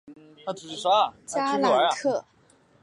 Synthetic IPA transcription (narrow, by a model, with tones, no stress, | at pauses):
na˥˩˨ʂ̩˥˩ʂa˥˨˩t͡ɕaa˥la˨˧˩a˧˩˥kʰɤ˥˩